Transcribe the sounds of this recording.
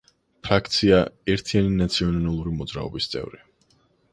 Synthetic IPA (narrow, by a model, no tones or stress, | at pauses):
pʰɾak̚ʰt̪sʰiaɛɾt̪ʰianinat̪sʰiɔnnalˠuɾimɔd̪zɾa̰ɔ̰bist̪sʼɛ̰vɾi